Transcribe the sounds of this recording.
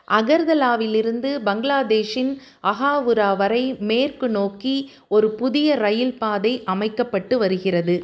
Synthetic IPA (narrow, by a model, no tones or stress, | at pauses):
ʔɐɣɐɾðɐlaːʋɪlɪɾɯnd̪ɯbɐŋɡɪlaːd̪eːʂɪn | ɐɣaːʋɯɾaːʋɐɾɐɪmeːrkɯnoːki | ɔɾɯpʊðɪjɐɾɐjɪlpaːðɐɪʔɐmɐɪkːɐpːɐʈːɯʋɐɾɯɣɪrɐðɯ